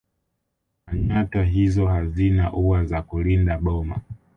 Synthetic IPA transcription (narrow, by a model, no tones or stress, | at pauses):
kaɲataɦizɔhazinaʔuwazakulindaɓɔma̰